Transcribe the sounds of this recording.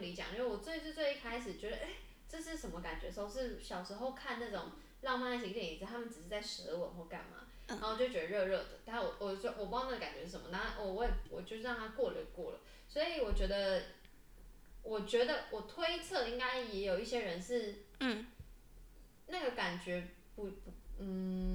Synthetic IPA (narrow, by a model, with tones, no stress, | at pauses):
u˥li˧˥t͡ɕjɑ̰˨ŋi˥we˥˩wɔ˨˩t͡swe˥˧ɪʂ̩˥˧t͡swe˥˧ɪi˥˩kʰa˥ɪʂ̬ɻ̩˨˩t͡ɕɥɛ˧˥d̪ə˧˨ʔe˥˩ɪ | ʈ͡ʂɤ˥˧ʂ̬ɻ̩˥˩ʂə˧˥nmə˧ka˨˩nt͡ɕɥɛ̰˧˥ʂo˥˧ʂɻ̩˥˩ɕjɑ˨˩ʊʂɻ̩˧˥xo˥˧ʊkʰa˥˧nna˥˩ʈ͡ʂʊ˨˩˦ŋ | lɑ˥˧ŋma˥˧na˥˩i˧˥jɛ˨˩ni˧˥t͡s̩˧˩t̪ʰa˥mə˨nʈ͡ʂɻ̩˨˩ʂɻ̩˥˧t͡sa˥˩ɪʂɻ̩˧˥d̪ə˧˩wə̰˨˩˦xwɔ˥˧ka̰˥˩nma̰˨˩ | a˧˥˩t͡ɕjo˥˩t͡ɕɥɛ˧˥d̪ə˧ɻɤ˥˧ɻɤ˥˩d̪ə˩t̪a˥˩n˥˩wɔ˨˩wɔ˨˩˥wɔ˨˩p̬u˧˥na˥˩ə˩ka˨nt͡ɕɥɛ˧˦ʂ̩˥˩ʂə˧˩˦mə˧na˥˩wɔ˨˩wɔ˧˦ɛ˨˩wɔ̰˨˩t͡ɕjo˥˧ʊʂɻ̩˥˩ɻɑ˥˩ŋt̪ʰa˥kwɔ˥˩lə̰˧˩˨kwɔ̰˥˩lə̰˩ | swɔ˧˥i˨˩wɔ˨˩t͡ɕɥɛ˧˥d̪ə˧ | wɔ˨˩t͡ɕɥɛ˧˥d̪ə˧˨wʔɔ˨˩t̪ʰwe˥ɪt͡sʰɤ˥˩i˥ŋka˥ɪjɛ˧˥jo˨˩ʊi˥˩ɕjɛ˥ɻə˧˦nʂɻ̩˥˩˥ | na˥˩ɡə˩ka˨˩nt͡ɕɥɛ˧˥ | pu˧˥pu˧˥n̩˥˩